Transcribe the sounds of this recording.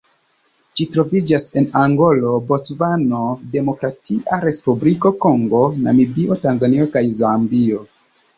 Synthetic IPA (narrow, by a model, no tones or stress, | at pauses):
ʃitɾo̞vid͡ʒase̞naŋɡo̞lo̞bo̞t͡svano̞de̞mokɾatiʔaɾe̞spubliko̞ko̞ŋɡo̞na̰mibio̞tanzanio̞kajzambio̞